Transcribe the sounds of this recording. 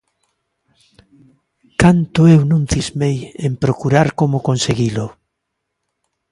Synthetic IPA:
kant̪ʊewnũŋθizmejempɾokuɾaɾkomokonseɣilo

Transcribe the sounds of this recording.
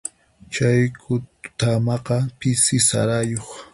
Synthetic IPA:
t͡ʃajkʰʊt̪amɑqɑpɪsɪsa̰ɾajoχ

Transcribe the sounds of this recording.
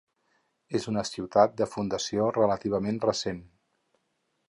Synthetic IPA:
ezunəsiwt̪at̪̚d̪əfund̪əsiorələt̪iβ̞əmenrəsen

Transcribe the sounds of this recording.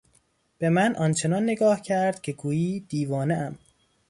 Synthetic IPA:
b̥e̞mænʔɒnt͡ʃʰe̞nɒnːeɡɒːhcʰæɾd̪̥̚cʰe̞ɡuːjiːd̪̥iːvɒːneʔæm

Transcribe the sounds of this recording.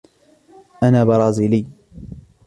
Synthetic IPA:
ʔanaːbɑɾˤɑːziːliː

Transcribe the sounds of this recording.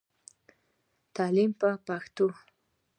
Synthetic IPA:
t̪alɪmpapakt̪ʊ

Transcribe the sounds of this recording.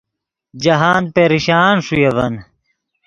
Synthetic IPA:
d͡ʑɐɦaːnd̪̚peɾiɕaːnʂujɐvɐn

